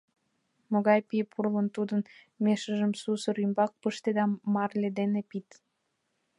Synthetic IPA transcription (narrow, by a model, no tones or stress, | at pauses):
moɣɑjpipʰurlənt̪ud̪ən | meʃəʒəmsusə̆ɾymbɑk̚pəʃt̪ed̪ɑmɑrled̪enepit̪